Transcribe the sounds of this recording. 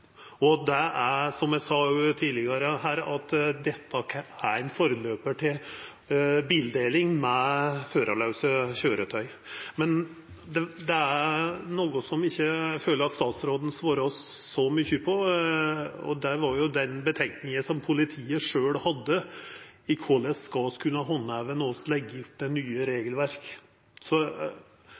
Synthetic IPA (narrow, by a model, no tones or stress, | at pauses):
ɔd̪ɛæsɔmjæsɑːjʉt̪ʰiːlɪɡɑɾəɦæːɾɑt̪ːd̪ɛt̪ʰːəkʰæɾænfoːɾəløːpəʈʰɪl | biːld̪eːlɪŋmɛføːɾʔɑlɑʉsəɕøːɾət̪ʰœʏ | mɛn | d̪ɛd̪ɛænoːɡʊsɔmɪçːəføːləɾɑt̪st̪ɑːt̪sɾoːd̪n̩sʋoːɾəɔsːɔmʏçːəpʰɔ | ɔ̰d̪ɛʋɑɾjʊd̪ɛnbət̪ʰɛŋknɪŋəsɔmpʰʊlɪt̪ʰiːəʂøːlhɑd̪ːə | ɪkʰɔləskɑskʰʉnːəɦɔnːæʋənɔslɛɡːəpːd̪ɛnyːəɾeːɡəlʋæɾk | sɔ